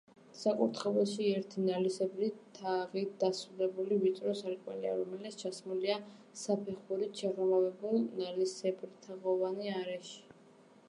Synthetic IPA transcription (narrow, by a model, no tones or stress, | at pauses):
sakʼuɾt̪ʰχɛbɔʃiɛɾt̪ʰinalisɛbɾit̪ʰaʁid̪̥asud̪ɛbulivit̪sʼɾɔsaɾkʼmɛ̰lia̰ɾɔmɛlɛt̪sʰt͡ʃʰasmulia | sapʰɛχuɾit͡ʃʰɛʁɛmavɛbulˠnalisɛbɾit̪ʰaʁɔvaniaɾɛʃi̥